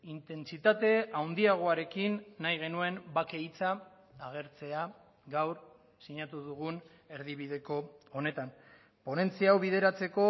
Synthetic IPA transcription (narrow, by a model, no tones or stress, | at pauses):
int̪e̞nt͡sit̪at̪e̞awnd̪iaɣ̞o̞aɾe̞kinːajɣ̞e̞nue̞mbake̞jt͡saː | ɣ̞e̞ɾt͡se̞a | ɡawɾ | siɲat̪uðuɣun | e̞ɾðiβið̞e̞ko̞ːne̞t̪an | po̞ne̞nt͡siawβiðe̞ɾat͡se̞ko̞